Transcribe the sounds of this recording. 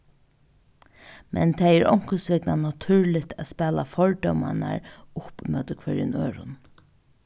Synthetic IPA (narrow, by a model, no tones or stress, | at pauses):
mʔɛ̰nt̪ʰɛjɛɹɔ̰wŋ̥kəsʋɪknanat̪ʰʉːɹlɪt̪ʰæspɛːlafɔɹd̪œwma̰na̰ɹʊpmœːt̪ʊkʰvɛɾɪ̰nøːɾʊ̰n